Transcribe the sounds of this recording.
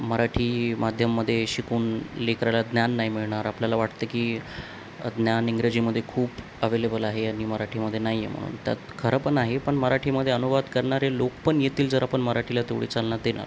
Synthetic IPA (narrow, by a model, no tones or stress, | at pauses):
məɾaʈʰiːmad̪ʱjəmːəd̪ʱːjeɕikuːnlekɾajlad̪njanːaɦimiɭɳaɾapljalaʋaʈt̪əkiː | d̪njaniŋɡɾəd͡ʑiməd̪ʱːjekʰuːp | əʋelebəlaɦeaɽ̃iməɾaʈʰiməd̪ʱːjenaɦijːḛm̤ə̰ɽ̃ṵːnt̪ja̰t̪kʰəɾəpəɳaɦepəɳməɾaʈʰiːməd̪ʱːjeənubad̪kəɾɳaɾelokpəɳjet̪iːld͡zəɾapəɳməɾaʈʰilat̪eʋɽḭt͡salnat̪̚d̪ena̰ɾ